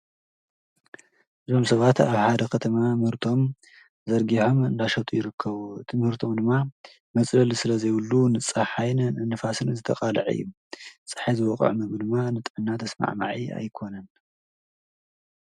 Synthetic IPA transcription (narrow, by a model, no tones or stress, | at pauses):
ʔɨzo̞msɐβat̪aβħad̪ɐkʰɐt̪ʰɐmamɨhɨɾt̪ʰo̞m | zɐɾɡiħo̞mɨnd̪aʃɐt̪ʼujɪɾɨkʰːɐβuɨt̪ʰɨmɨhɨɾt̪ʰo̞md̪ɨmːa | mɐt͡sʼlɐlisɨlɐzɐjwɨlːunɨt͡sʼːaħajnɨnɨfasɨnzɨt̪ʰɐqʼalɐ̰ʕɨ̰jːu | t͡sʼɨ̥ħajzɨwɔkʼɨ̰ʕmɨɡɨd̪ɨmːanɨt̪ʼɨʕɨnːat̪ʰɐsma̰ʕma̰ʕia̰jkʰo̞nɐn